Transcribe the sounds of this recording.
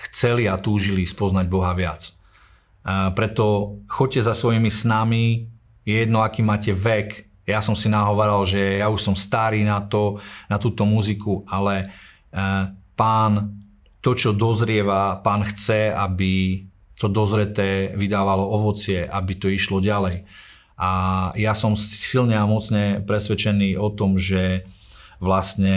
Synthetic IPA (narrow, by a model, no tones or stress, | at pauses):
xt͡sɛliat̪uːʒilispɔznaɟbɔɦaʋɪat͡s | pɾɛt̪ɔxɔc̚cːɛzasʋɔjimisnami | jɛjɛd̪nɔakiːmaːcɛʋɛk | jasɔmsinaɦɔʋaɾalʒɛjauʃsɔmst̪aɾiːnat̪ɔnat̪uːt̪ɔmuzikualɛ | paːn | t̪ɔt͡ʃɔd̪ɔzɾɪɛʋapaːnxt͡sɛabi | t̪ɔd̪ɔzɾɛt̪ɛːʋid̪aːʋalɔɔʋɔt͡sɪɛʔabit̪ɔiʃlɔɟalɛj | ʔajasɔmssilɲɛamɔt͡sɲɛpɾɛsʋɛt͡ʃɛniːɔt̪ɔmʒɛ | ʋlast̪ɲɛ